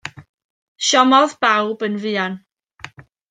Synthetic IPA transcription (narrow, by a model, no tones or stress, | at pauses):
ʃɔmɔðb̥awbənvɨːan